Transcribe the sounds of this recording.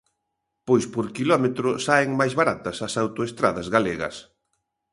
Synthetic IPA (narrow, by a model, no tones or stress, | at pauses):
pojspoɾkilɔmet̪ɾʊsaeŋmajzβaɾat̪ɐsɐsawt̪oest̪ɾaðɐzɣaleɣɐ̰s